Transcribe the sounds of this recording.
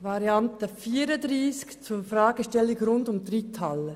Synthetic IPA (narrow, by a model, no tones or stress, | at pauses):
vɑɾjɑntəfiːɾədɾiːskt͡suːfrɑːɡ̥əʃtɛlɪɡɾʊndʊmdɾitʰɑlə